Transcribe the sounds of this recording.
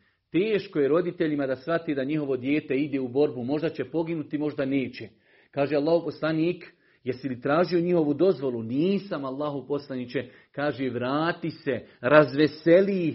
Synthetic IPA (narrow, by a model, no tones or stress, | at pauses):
t̪eːʃkojeɾo̞d̪it̪e̞ʎimad̪asʋat̪eːd̪aɲiɦo̞ʋo̞d̪jeːt̪eid̪eːubo̞ɾbumo̞ʒd̪at͡ɕe̞po̞ɡinut̪imo̞ʒd̪aneːt͡ɕe | kaːʒealːˠaːhopo̞slˠaniːk | jeɾsilit̪ɾaːʒio̞ɲiho̞ʋud̪o̞zʋo̞luniːsamalːaːɦoʋposlˠanit͡ʃe | kaːʒeʋɾaːt̪iseɾazʋe̞seliː